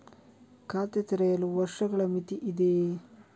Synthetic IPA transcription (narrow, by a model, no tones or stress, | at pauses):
kaːt̪et̪iɾɐjɐluʋɐɾʂɐɡɐɭɐmit̪iʔid̪e